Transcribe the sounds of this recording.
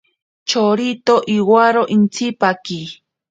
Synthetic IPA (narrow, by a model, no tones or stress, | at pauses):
t͡ʃoɾit̪oʔiwaɾoʔint͡sipaki